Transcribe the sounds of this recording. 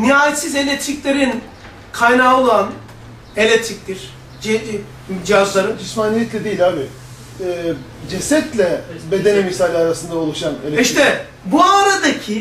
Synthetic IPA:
niɦaːjet̪size̞lʲet̪ʰɾiclʲeɾin | kʰajnaolˠan | e̞lʲet̪ʰɾic̚ʲt̪ʰiɾ̥ | d͡ʒ | d͡ʒiɦazlˠaɾɯnd͡ʒismaːnijɛt̪lʲɛd̪ejilʲaːbi | ɛːd͡ʒesɛt̪lʲɛbe̞d̪e̞nimisalʲaɾasɯnd̪aolˠuʃanelʲeiʃt̪ɛ | buaɾad̪acʰi

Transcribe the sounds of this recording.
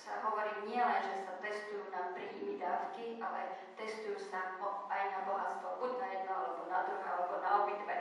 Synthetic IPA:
sa̰ɦɔʋɔɾiːmɲɪɛlɛnʒɛsat̪ɛst̪ujuːnapɾiːmid̪aːfkiʔa̰lɛ̰ | t̪ɛst̪ujuːsaɔajnabɔɦast̪ʋɔbuɟnajɛd̪̚nɔa̰lɛbɔnad̪ɾuɦaalɛbɔnaɔbit̪ʋɛ

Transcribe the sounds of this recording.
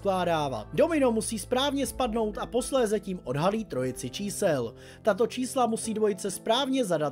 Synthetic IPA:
klaːdaːva̰do̞mɪno̞musiːspɾaːvɲɛspadno̞wt̪apo̞slɛːzaciːmʔo̞dɦaliːt̪ɾo̞jɪt͡sɪt͡ʃiːsɛl | t̪at̪o̞t͡ʃiːslamusiːdvo̞jɪt͡sɛspɾaːvɲɛzadat̪

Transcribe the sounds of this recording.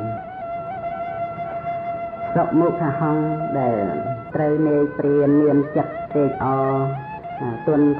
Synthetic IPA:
soʔ̚muːk̚kʰahɑŋɗaɛlt̪rəwneːjpriənːiəmt͡ɕət̪̚ːeːk̚ʔɑː | t̪ʊənk

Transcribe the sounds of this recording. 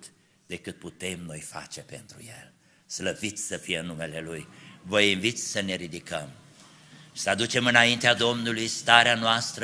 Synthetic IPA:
t̪ | d̪e̞kɨt̪̚put̪e̞mno̞jfa̰t͡ʃe̞pe̞̰nt̪ɾṵjel | sləvit̪sʲsəfijeɨnːume̞le̞lujvəinvit̪sʲsəne̞ɾid̪ikəm | ʃi̥səad̪ut͡ʃe̞mɨnaint̪ead̪o̞mnulujst̪aɾeanoast̪ɾə

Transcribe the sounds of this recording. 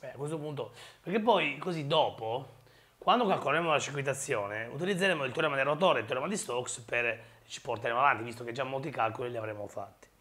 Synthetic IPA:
bɛakːwest̪opunt̪̬opeɾk̟epːɔjkozid̪ɔːpo | kwand̪okalkolaɾemolat͡ʃik̬wit̪̬at̪sːjɔːneṵt̪ilid̪zːeɾeːmoilt̪oɾɛmad̪erat̪̬ɔːɾeilt̪oɾɛmad̪ist̪ɔksper | t͡ʃi̥port̪aɾemoavant̪ivist̪ok̟ed͡ʒːamːolt̪ikalkoliliavɾemːofa̰t̪ːi̥

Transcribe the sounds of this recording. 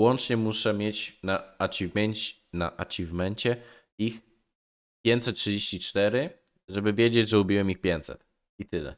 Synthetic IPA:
wɔnt͡ʂɲɛmuʂɛmʲjet͡ɕnaat͡ɕivmɛɲt͡ɕ | na̰ʔat͡ɕivmɛɲt͡ɕɛ | ix | pʲjeɲt̪sɛt̪̚tʂɨd͡ʑeɕt͡ɕit͡ʂt̪ɛɾɘ | ʐɛbɘvʲjed͡ʑed͡ʑʐɛubʲiwɛmixpʲjeɲt̪sɛ̰t̪ | it̪ɘlɛ̰

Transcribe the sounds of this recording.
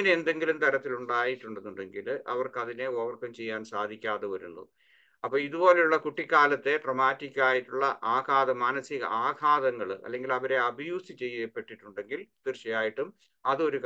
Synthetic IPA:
ɐnend̪e̞ŋɡilumt̪ɐɾɐt̪ːiluɳɖaːjiʈːuɳɖenːuɳɖe̞ŋɡilʔɐ̰ʋɐrkɐðineoʋɐrkːɐmt͡ɕe̞jːaːnsaːd̪ʱikʲːaːðeʋɐɾṵnːṵ | ɐpːɐːiðubo̞ːle̞juɭːɐkuʈːikːaːlɐt̪ːe̞ʈrɐmaːtːikʲːaːjiʈːuɭːɐ̰ʔaːkaːðɐmaːnɐsiɣɐ̰ʔaːkʰaːðɐŋːɐɭɨʔɐ̰lːe̞ŋɡilɐʋɐɾe̞ɐbɐjuːsit͡ɕe̞jːepːe̞ʈːiʈːuɳɖe̞ŋɡilt̪irɕɐjaːjiʈːum | ɐðɨo̞ɾuk

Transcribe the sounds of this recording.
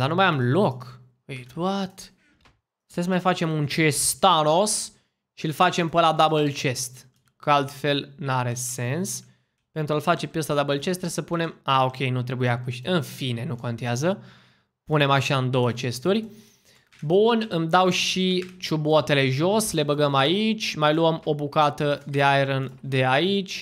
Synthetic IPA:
d̪anumajamlo̞k | əjt̪uat̪ | st̪es̬majfat͡ʃe̞munt͡ʃet̪anos | ʃilfat͡ʃe̞mpəlad̪abəlt͡ʃe̞st̪ | kəalt̪fe̞lnaɾe̞se̞ns | pe̞nt̪ɾualfat͡ʃe̞pjest̪ad̪abəlt͡ʃe̞st̪ɾesəpune̞maokʲe̞jnut̪ɾe̞bujeakuʃɨnfine̞nuko̞nt̪eazə | pune̞maʃaɨnd̪o̞wət͡ʃe̞st̪urʲ | bunɨmd̪awʃit͡ʃubot̪e̞le̞ʒo̞sle̞bəɡəmait͡ʃʲmajluəmo̞bukat̪əd̪e̞ajɾənd̪e̞ait͡ʃʲ

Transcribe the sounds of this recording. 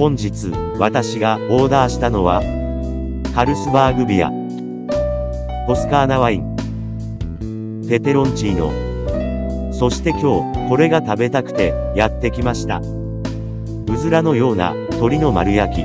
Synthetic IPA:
hõ̞ɲ̟d͡ʑit͡sɨ | βat̪aɕiɡao̞ːd̪aːɕi̥t̪ano̞βa | kaɾɯ̟sɨbaːɡɯ̟bʲia̰ | ko̞sɨ̥kaːnaβaĩŋ | p̪e̞t̪e̞ɾõ̞ɲt͡ɕiːno̞̰ | so̞ɕi̥t̪e̞kʲo̞ːko̞ɾe̞ɡat̪abe̞t̪akɯ̟̥t̪e̞ | jat̪ːe̞kʲimaɕi̥t̪a̰ | ɯ̟zɨɾano̞jo̞ːna̰ | t̪o̞ɾʲino̞maɾɯ̟jakʲḭ

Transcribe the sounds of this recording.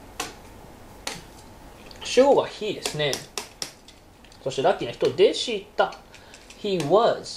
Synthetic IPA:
ɕooɡa̰çid̪e̞sɨne | so̞ɕt̪eɾakʲinaçi̥t̪o̞d̪e̞ɕit̪ːaçiβaz̥

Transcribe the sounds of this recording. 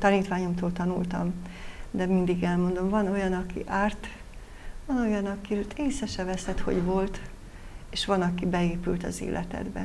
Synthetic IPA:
t̪ɒniːt̪ʋaːɲo̞mt̪oːlt̪ɒnult̪ɒ̰md̪ɛmind̪iɡɛlmond̪o̞mvɒno̞jɒnɒkḭʔaːrt̪ | vɒno̞jɒnɒkit̪eːsɛʃɛvɛsɛt̪ho̞̰ɟʋo̞lt̪ | eːʃʋɒnɒkibɛeːpylt̪ɒ̰zḛːlʔɛ̰t̪ɛ̰d̪bɛ̰

